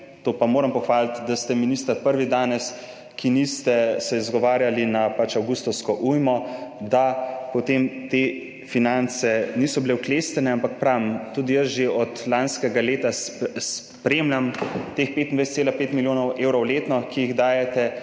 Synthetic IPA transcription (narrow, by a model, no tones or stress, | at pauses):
t̪oːpamoːɾampɔxʋaːlit̪d̪ast̪ɛminist̪əɾpəɾʋid̪aːnɛs | kʰinist̪ɛsɛizɡɔʋaːɾjalinapat͡ʃawɡust̪ɔwskɔʔujmɔd̪apɔt̪emt̪e | finant̪sɛniːsɔbilɛwklest̪ɛnɛampakpɾamt̪ud̪ijəsʒeɔt̪lanskɛɡaleːt̪ass | pɾemlʲamt̪eːxpet̪ind̪ajsɛt̪elapeːt̪miljoːnɔwʔeːwɾɔwleːt̪nɔkijiɣd̪aːjɛt̪ɛ